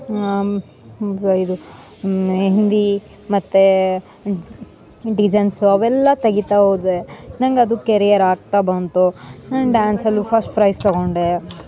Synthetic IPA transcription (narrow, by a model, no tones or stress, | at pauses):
id̪u | ɦend̪i | mɐt̪ːe | ɖid͡ʒɐnsuɐʋɛlːɐt̪ɐɡit̪aɦoːd̪enɐŋɡɐd̪ukeɾijɐɾaːɡ̚t̪abɐnt̪uɖaːnsɐlːipʰɐɾsʈpɾɐjst̪ɔɡoɳɖe